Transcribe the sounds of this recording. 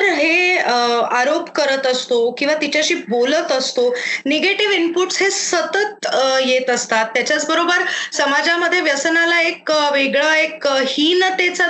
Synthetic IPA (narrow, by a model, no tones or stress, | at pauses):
ɾɦe | aɾopkəɾət̪əst̪okĩw̃ʋat̪it͡ɕjaɕiːbolət̪əst̪oneɡeʈiʋimpuʈsɦesət̪ət̪jet̪əst̪at̪ːjat͡ɕjat͡sbəɾobəɾsəmad͡ʑaməd̪ʱːjeʋjəsnalaekʋeɡɭəekhiːnt̪et͡sa